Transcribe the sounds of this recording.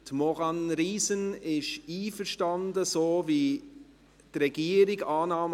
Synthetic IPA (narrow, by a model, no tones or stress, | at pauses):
t̪mɔʁɑnɾiːsənɪʃiːfərʃtɑndəsoːvi | trɛɡ̥iəɾɪɡɑːnɑːm